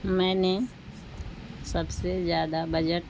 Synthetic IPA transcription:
mɛ̃ːne | sɐbsezjaːd̪abɐd͡ʒəʈ

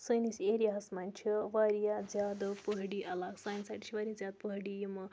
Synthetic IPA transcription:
səjniseɾijasmanʲt͡ʃʰeʋaɾijad͡zjad̪əpəɦɽiʔɐlaɡsajnsaʈi̥t͡ʃʰiʋaɾijad͡zjad̪̚pəɦɽijimɐ

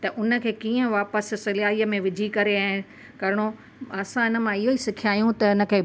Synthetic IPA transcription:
t̪ɐʔʊnə̆kʰeːkiːə̃ʋaːpəssɪlaːiəmẽʋɪd͡ʑʱikɐɾeaːɪ | kɐɾɪɽ̃o | ɐsãɪnə̆mãɪɦoisɪkʰijaːjũt̪ɐɪnə̆kʰeː

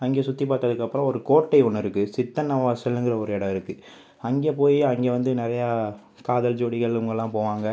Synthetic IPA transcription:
ɐŋɡeːsʊt̪ːip̬aːɾt̪ɐðɯkːɐpːɯɾɔ̃ɔɾɯkoːʈːɐɪɔnːɪɾɯkːɯsɪt̪ːɐnɐʋaːsɛlːɯŋɡɪɾɐɔɾɯɛɽɐɪɾɯkːɯ | ɐŋɡeːpoːjiɐŋɡeːʋɐnd̪ɯnɪɾɐjaː | kaːðɐld͡ʒoːɽɪɣɐɭʊŋɡɐlːãːpoːʋaːŋɡɐ

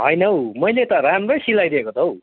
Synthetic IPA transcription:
ɦʌjnʌwmʌjlet̪ʌɾamrʌjsilajd̪eekot̪ʰow

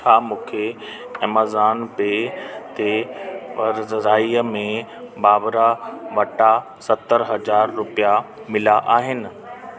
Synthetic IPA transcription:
t͡ʃʰaːmũːkʰe | ɐməzaːnbeːt̪eʋɐɾzəɾaːiəmẽbaːʋɾaʋɐʈa | sɐt̪ːəɾɦɐzaːɾːʊpija | mɪlaʔaːɦɪnɪ̆

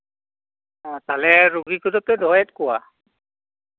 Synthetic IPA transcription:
talɛɹuɡikɔdɔp̚tɛdʱɔjɛtkʊwa

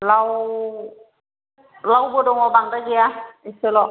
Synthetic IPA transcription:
law | lawbodɔŋɔbaŋdaɡiaisɯlɔ

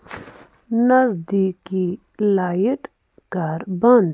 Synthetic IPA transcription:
nɐzd̪iki | laːjiʈ | kaɾbɐnd̪

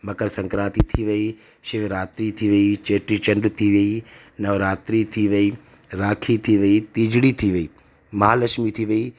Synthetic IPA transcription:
mɐkəɾsɐ̃ŋkɾaːt̪it̪ʰiʋɐi | ʃɪʋɾaːt̪ɾit̪ʰiʋɐit͡ʃeːʈɾit͡ʃɐ̃nɖt̪ʰiʋɐi | nɐʋɾaːt̪ɾit̪ʰiʋɐiː | ɾaːkʰit̪ʰiʋɐit̪iːd͡ʒɽit̪ʰiʋɐiː | mɐɦaːlɐʃmit̪ʰiʋɐiː

